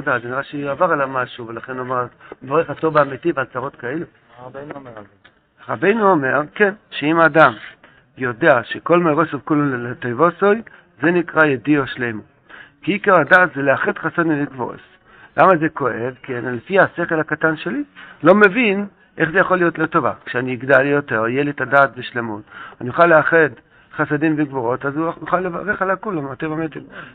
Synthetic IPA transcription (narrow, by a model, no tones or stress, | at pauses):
dazeniʁaʃeavaʁalamaʃuvelaχenomaʁvoʁeχat̪ovaːmitivalt͡saʁo̞t̪kaelu | ʁabe̞jnuome̞ʁkenʃeimaːdam | jo̞deaʃeko̞lmeʁosovkululelet̪ojvosoj | ze̞nikʁajedioʃlejmo | kiikaʁadaːtzeleaχedχasad̪mileɡvo̰s | lʔamazeko̞evkenlefihase̞χelhakatanʃe̞lilo̞me̞vin | ʔe̞χzejaχolːijotlotːovakʃeaniːɡdalːijo̞te̞ʁijelietadaːtbeʃlemutanijuχaleaχed | χasadimveɡvoʁo̞tazujuχalːeva̰ʁeχalakulomatevametem